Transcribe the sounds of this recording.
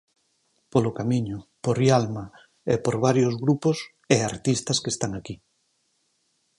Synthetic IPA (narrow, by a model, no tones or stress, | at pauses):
polokamĩɲʊpoɾjalma | epoɾβ̞aɾjozɣɾupos | eaɾt̪ist̪askest̪aŋaki